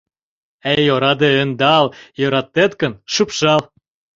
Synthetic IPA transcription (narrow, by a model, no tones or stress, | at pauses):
ejoɾɑd̪eønd̪ɑljøɾɑt̪ːet̪kə̆nʃupʃɑl